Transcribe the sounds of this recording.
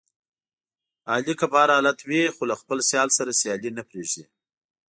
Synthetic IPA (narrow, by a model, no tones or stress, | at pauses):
ɑlikapɑɾɑlat̪wixolaxpəlsjɑlsaɾasjɑlinapɾeʒi